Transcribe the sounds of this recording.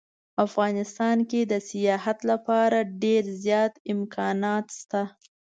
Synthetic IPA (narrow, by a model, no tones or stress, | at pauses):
afɣɑnɪst̪ɑnked̪əsɪjɑɦat̪lapɑɾaɖeɾzjɑt̪ɪmkʰɑnɑt̪st̪a